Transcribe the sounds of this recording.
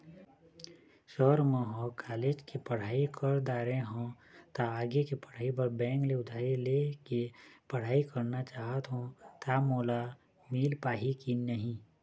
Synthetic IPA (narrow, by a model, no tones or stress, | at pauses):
ʃɔːɾmə̃ɦõkaːleːd͡ʒkipəɽ̤aːikʰəɾd̪aːɾẽɦõ | t̪aaːɡekepəɽ̤aːibəɾbɛ̃ːŋkleʊd̪ʰʱaːilekepəɽ̤aːikəɾnat͡ʃaːɦət̪ɦõt̪amoːla | miːlpaːɦikinəɦĩ